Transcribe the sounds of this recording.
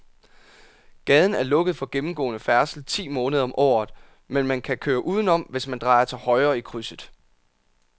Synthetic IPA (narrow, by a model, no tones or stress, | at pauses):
ɡ̥ɛːð̞ˠn̩æɐlɔ̽ɡ̥əð̞̩ˠfɒ̽ɡ̥emm̩ɡ̥ɔ̰̽ːnəfæɐsl̩t͡sʰḭːmɔ̽ːnəð̞ˠɐɒ̽mʔɒ̰ːð̩ˠ | menmænkʰækʰøːɐʔuːð̞ˠn̩ɒ̽m̰ʋe̝smænd̥ʁɑ̈ɪɐt͡sʰe̝lhɒ̽ɪɐːikʰʁysəð̩ˠ